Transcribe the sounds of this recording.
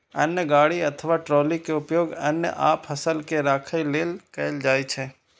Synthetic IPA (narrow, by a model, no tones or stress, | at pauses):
ənjəɡaːɽiət̪ʰəʋaʈɾɔːlikeʊpjoːɡənjə̰ʔaːpɦəsəlkeɾaːkʰəileːlkɛɪld͡ʒaːit͡ʃʰɛː